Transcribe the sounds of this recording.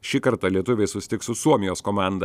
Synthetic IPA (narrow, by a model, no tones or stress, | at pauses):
ʃʲiːkɐɾt̪ɑlʲiɛt̪ʊʋʲɛɪsʊsʲɪ̥t̪ʲɪksʊsuɔmʲɪjoːskoːmɑˑnd̪ɐ